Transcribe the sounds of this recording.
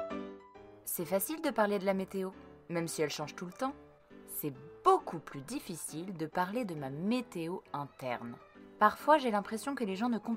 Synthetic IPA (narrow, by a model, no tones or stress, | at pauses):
sɛfasild̪əpaʁled̪əlamet̪eo | mɛmsiɛlʃɑ̃ʒt̪ulət̪ɑ̃ | sɛb̥okʰuplyd̪ifisild̪əpaʁled̪əmamet̪eoɛ̃t̪ɛ̰ʁnpaʁfwaʒelɛ̃pχesjɔ̃kəleʒɑ̃nəkɔ̃